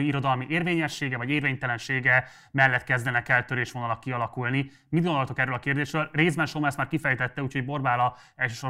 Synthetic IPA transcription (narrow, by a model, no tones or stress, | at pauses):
iiɾo̞d̪ɒlmiʔeːrveːɲɛʃːeːɡɛvɒɟeːrveːɲt̪ɛlɛnʃeːɡɛ | mɛlːɛt̪kɛzd̪ɛnɛkɛlt̪øɾeːʃʋonɒlɒkːiɒlɒkulni | mid̪dɡond̪olt̪okɛrːøːlɒkeːrd̪eːʃrøːlreːzbɛnʃomaːsmaːrkifɛjt̪ɛt̪ːɛuːcho̞ɟbo̞rbaːlɒ | ɛlʃøːʃo̞r